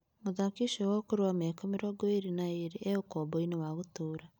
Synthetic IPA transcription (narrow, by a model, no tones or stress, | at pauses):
moðakiʃowɔkoɾewamɛkomeɾɔɡoeɾinaeɾeʔeokɔːbɔinewaɣotoːɾa